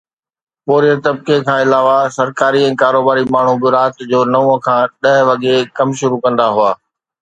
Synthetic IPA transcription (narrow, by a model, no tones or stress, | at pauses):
poːɾiət̪ɐb̚kekʰãːɪlaːʋasɐɾkaːɾiɛ̃ːkaːɾoːbaːɾimaːɳ̤ubɪɾaːt̪d͡ʑoːnɐũə̃kʰãːɗɐɦʋɐɠekɐmʃʊɾukɐ̃nd̪aɦʊaː